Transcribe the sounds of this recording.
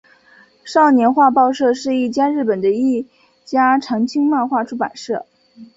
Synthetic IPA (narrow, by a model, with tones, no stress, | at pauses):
ʂɑ˥˩ʊnjɛ˧˥nxwa˥˧pɑ˥˧ʊʂɤ˥˧ʂɻ̩˥˧i˥˩t͡ɕja˥ɻɻ̩˥˩pə˨˩nd̪ə˦i˥˩ | t͡ɕja˥ʈ͡ʂʰɑ˧˥ŋt͡ɕʰi˥ŋma˥˧xwa˥˧ʈ͡ʂʰu˥pa̰˨˩nʂɤ˥˩